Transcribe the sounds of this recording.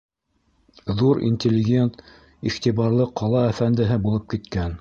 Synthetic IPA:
ðuɾḭnʲt̪ʲɪlʲːɪɡʲe̞nt̪ | iχt̪iβɑɾlˠɤqɑlˠɑæfænd̪ɘ̆ɦɘbulˠɤp̚kit̪kæn

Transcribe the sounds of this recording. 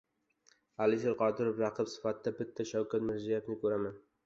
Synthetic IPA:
alɪʃeɾqɒd̪ɪɾofɾɑqʰɨpsɪ̥fat̪ːabɪt̪ʰːaʃawkʰat̪mɪɾzijefnɪkʰɵɾaman

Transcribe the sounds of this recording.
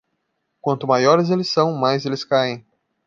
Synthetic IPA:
kwɐ̃nt̪ʊmajɔɾɪzelɪsːɐ̃w̃majzelɪskaẽj̃

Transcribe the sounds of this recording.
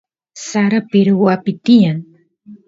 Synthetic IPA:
saɾapɪɾʊwapɪt̪ɪjaŋ

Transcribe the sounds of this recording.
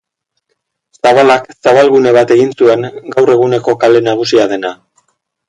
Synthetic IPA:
saβalaksaβalɣune̞βat̪e̞ɣinsue̞ŋɡawre̞ɣ̞une̞ko̞kale̞naɣ̞usiaðe̞na

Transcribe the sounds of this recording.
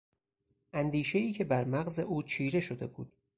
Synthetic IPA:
ʔænd̪iːʃe̞iːcʰe̞bæɾmæɣze̞ʔuːt͡ʃʰiːɾe̞ʃo̞d̪e̞bṵːd̪̥

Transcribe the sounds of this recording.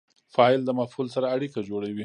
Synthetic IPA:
fɑɪld̪əmafhulsaɾaːɽikad͡ʒoɽawi

